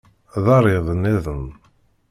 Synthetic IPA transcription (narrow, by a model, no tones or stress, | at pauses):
ðˤɑɾˤiðˤənɪðˤən